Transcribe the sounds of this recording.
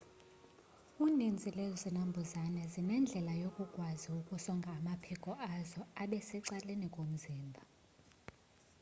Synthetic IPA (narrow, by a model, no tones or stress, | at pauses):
unind͡zʱilezinambʱuzanɛzinɛnd͡ɮʱɛlajokʼuɡ̥ʱʼwaziukʼusɔŋɡʱamapʰɛkʼɔʔazɔaɓɛsɛǀalenikʼom̩ziːmbʱa